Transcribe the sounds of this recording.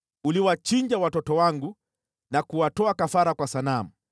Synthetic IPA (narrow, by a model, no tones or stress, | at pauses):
uliwat͡ʃiɲd͡ʒawatɔtɔwaŋɡu | nakuwatɔakafaɾakwasanamu